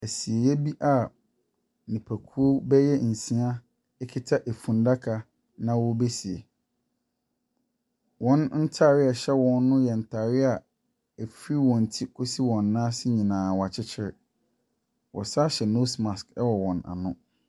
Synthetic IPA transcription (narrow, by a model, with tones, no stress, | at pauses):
æ˨si˨e˨jɛ˦bi˦ʔa˨ | nĩ˨pʰæ˨kʰu˦o˦bɛ˦jɛ˦n̩˨sĩ˦a˦ | ɛ˦kʰɪ˦tʰa˦ʔe˨fũ˨n˦da˦kʰa˨ | nã˦wɔ˦be˦si˨e˨ | wɔ̃˦nn̩˦tʰa˦˨ɾɪ˦a˨ɕɛ˦wɔ̃˨nːʊ̃˦jɛ˨n̩˨tʰa˨ɾɪ˦a˨ | ɛ˨fɾi˦wɔ̃˨n̩˨tʰi˦kʰo˦si˦wɔ̃˨nːã˦sɪ˦ɲĩ˨nãː˨wɔ˨a˨t͡ɕʰɪ˦t͡ɕʰɪ˦ɾɪ˨ | wʔɔ̰˨saː˦ɕɛ˨no˦sma˨skɛ˦wɔ˨wɔ̃˨na̰˨nʊ̃˦